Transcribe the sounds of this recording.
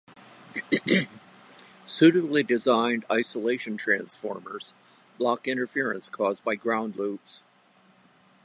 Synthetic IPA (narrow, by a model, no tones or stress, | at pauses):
sʉɾɨdlidɨzãɪ̃ndaɪsəleɪʃɨ̃ntʰɹ̥æ̃nsfɔ̰ɹmə̰˞z̥ | b̥lɑkɪ̃ñə˞fɪɹɨ̰̃nskʰɔzbaɪɡɹãʊ̃ndˡlups